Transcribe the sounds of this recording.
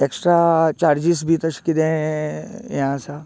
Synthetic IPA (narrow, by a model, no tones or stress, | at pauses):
eksʈɾat͡ʃaːɾd͡ʑis̬bʱit̪əʃkid̪ẽ | jɐɦãsa